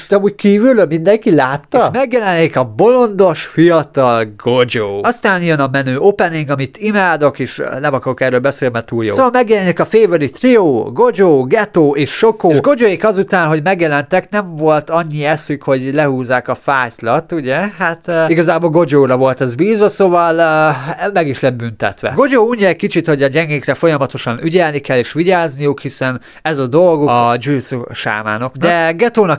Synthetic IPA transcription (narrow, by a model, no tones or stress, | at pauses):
t̪ɒmuːc̚kiːvylømind̪ɛŋkilaːt̪ːɒʃmɛɡjɛlɛnikɒbo̞lo̞nd̪o̞ʃfijɒt̪ɒlɡo̞d͡ʒoːɒst̪aːnjønɒmɛnøːopɛniŋɡɒmit̪imaːd̪o̞keːʃlɛmɒkɒɾokɛrːøːlbɛseːlmɛt̪uːljosːsoʋɒmːɛɡjɛlɛnikɒfeːvølit̪rioːɡo̞d͡ʒoːɡɛt̪oːʔeːʃʃo̞koːʃɡo̞d͡ʒojikɒzut̪aːnɦo̞ɟmɛɡjɛlɛnt̪ɛknɛɱvo̞lt̪ɒɲːiɛsykho̞ɟlɛhuːzːaːkɒfaːclɒt̪uɟɛhat̪iɡɒzaːbo̞lɡo̞d͡ʒoːɾɒvo̞lt̪ɛzbiːzʋɒsovɒl | mɛɡiʃlɛd̪̚bynt̪ɛ̰t̪ʋɛ̰ɡo̞d͡ʒoːuːɲːɒɛc̚kit͡ʃit̪ho̞ɟɒɟɛŋɡekrɛfo̞jɒmɒt̪o̞ʃɒnyɟɛlnikɛlːeːʃʋiɟaːznijukhisɛn | ɛzɒd̪o̞lɡod͡ʒusuʃa̰ːma̰ːno̞kd̪ɛɡɛt̪oːnɒk